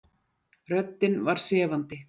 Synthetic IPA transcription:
rœt̪ːɪnvaɾ̥sɛːvant̪ɪ

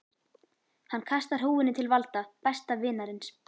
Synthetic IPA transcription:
hanːkʰast̪aɾ̥ɦuːwɪnːɪt̪ʰɪlvalt̪apɛst̪avɪːnaɾɪns

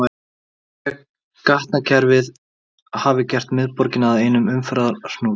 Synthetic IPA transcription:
a | kaht̪nacʰɛɾvɪð | haːvɪcɛr̥t̪mɪðpɔɾcɪnaðeːjnʏmʏmfɾaːðaɾsnuːl

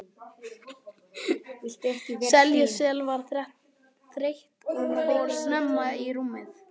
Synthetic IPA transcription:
t̪ɛhcɪsɛljʏsɛːlvaɾ̥θɛ | θɾejht̪ɔɔɾsnɛmːaiɾumːɪθ

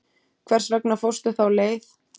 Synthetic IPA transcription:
kʰvɛr̥srɛknafowst̪ʏθawleːjθ

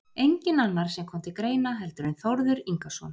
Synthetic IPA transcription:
ejɲcɪnanːaɾ̥sɛmkʰɔmt̪ɪkɾeːjnaɦɛlt̪ʏɾʏnθowɾðʏɾiŋkasɔ̰n

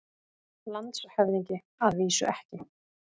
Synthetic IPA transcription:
lant̪shɛvðiɲcɪ | aðviːsʏ̰ʔɛhcɪ

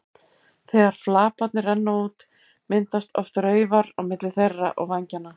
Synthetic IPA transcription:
θɛːɣaɾ̥flaːpat̪nɪɾɛnːauːt̪ | mɪnt̪ast̪ɔft̪ɾœːɥvaɾawmɪt̪lɪθerːa̰ʔɔɣvaɲcanːa

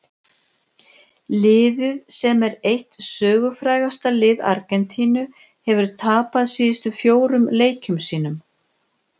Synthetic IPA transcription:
lɪːðɪðsɛmɛɾejht̪sœːɣʏfɾaːjɣast̪alɪːða̰ɾkɛnt̪ʰiːnʏ | hɛvʏɾ̥t̪ʰaːpaðsiːðɪst̪ʏfjoːwɾʏmleːjcʏmsiːn̪ʏm

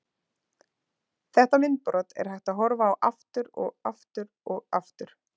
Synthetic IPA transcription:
θɛht̪amɪnt̪pɾɔt̪ɛ̰ɾ̥hajht̪aðɦɔɾvaːwʔaft̪ʏɾɔ̰ɣa̰ft̪ʏɾ | ɔɣa̰ft̪ʏɾ̥

